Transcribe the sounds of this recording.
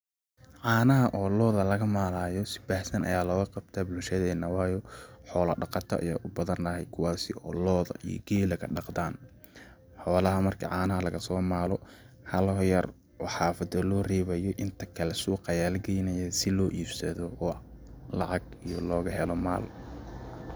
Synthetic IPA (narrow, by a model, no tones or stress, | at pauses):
ʕaːnɐɦɐʔɔːlɔːðɐlɐɣɐmaːlaːjɔsɪ̥bɐhsɐnʔɐ̰jaːlɔːɣɐqɑb̚t̪ʰabʊlʃɐðɛːnːɐwɑːjɔħɔːlɐ̰ɖɑqɑt̪ʰɐ̰ʔɐ̰ja̰ːʔʊbɐðɐnːɐhɛjkʰʊwɑːsɪ̰ʔɔ̰ːlɔːðɐ̰ʔḭjɔ̰ɡɛːlɐkʰɐɖɑqd̪aːn | ħɔːlɐɦɐmɐrkʰɐ̰ʕaːnɐɦɐlɐɣɐsɔːmaːlɔ | hɐlɦjɐr | wɑħɑːfɐd̪ɐlɔːrɛːβɐjɔʔɪnt̪ʰɐkʰɐlɛsuːqɑjaːlɡɛjnɐjɛsɪlɔːʔiːbsɐðɔɔːlɑʕɑɡ | ijɔlɔːɣɐɦɛlɔma̰ːl